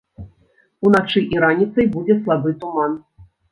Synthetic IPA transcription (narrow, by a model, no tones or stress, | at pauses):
unat͡ʂɨʔiɾanʲit̪sɐjbud͡zʲɛslˠabɨt̪uman